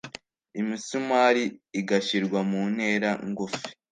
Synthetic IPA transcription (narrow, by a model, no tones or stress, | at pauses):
imisumaːɾiːɡaʃiɾɡwamuːne̞ːɾaŋɡofi̥